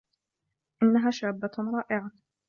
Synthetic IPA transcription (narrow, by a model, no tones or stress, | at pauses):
ʔɪnːaɦaːʃaːbːaɾˤɑːʔɪʕa